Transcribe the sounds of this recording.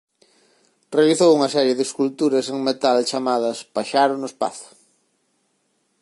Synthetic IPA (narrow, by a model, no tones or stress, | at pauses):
realiθowuŋɐsɛɾjeðɪskult̪uɾɐseŋmet̪alt͡ʃamað̞ɐspaʃaɾonʊespa̰θʊ̥